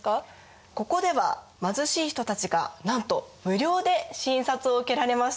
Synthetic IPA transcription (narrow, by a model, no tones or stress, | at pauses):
ko̞ko̞d̪e̞βa̰ | mazɨɕiːçi̥t̪o̞t̪at͡ɕiɡanãnt̪o̞mɯ̟ɾʲo̞ːd̪e̞ɕĩɰ̃sat͡sɨo̞ɯke̞ɾaɾe̞maɕ